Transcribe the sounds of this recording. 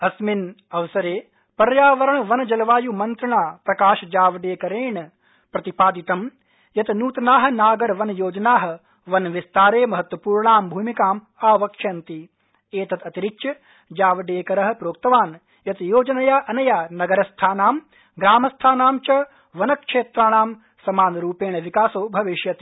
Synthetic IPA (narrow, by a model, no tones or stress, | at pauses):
ɐsmin | ɐʋɐsɐɾeː | pɐɾjaːʋɐɾɐɳʋɐnɐd͡ʒɐlʋaːjumɐnt̪ɾɐɳaːpɾɐkaːʃɐd͡ʒaːʋɐɖeːkɐɾeːɳ | pɾɐt̪ipaːd̪it̪ɐm | jɐt̪nuːt̪ɐnaːɦɐ̆naːɡɐɾʋɐnjoːd͡ʒɐnaːɦɐ̆ | ʋɐnʋist̪aːɾeːmɐɦɐt̪ʋɐpuːɾɳaːmbʱuːmikaːm | aːʋɐkʂɐnt̪i | eːt̪ɐt̪ɐt̪iɾikt͡ʃjɐ | d͡ʒaːʋɐɖeːkɐɾɐɦɐ̆pɾoːk̚t̪ɐʋaːn | jɐt̪joːd͡ʒɐnɐjaːʔɐnɐjaːnɐɡɐɾɐst̪ʰaːnaːm | ɡɾaːmɐst̪ʰaːnaːmt͡ʃɐ | ʋɐnɐkʂeːt̪ɾaːɳaːm | sɐmaːnɾuːpeːɳɐʋikaːsoːbʱɐʋiʃjɐt̪i̥